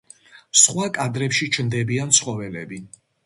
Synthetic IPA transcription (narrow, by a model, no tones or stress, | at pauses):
sχwakʼad̪ɾɛpʃit͡ʃʰmd̪ɛbiant̪sʰχɔvɛlɛbi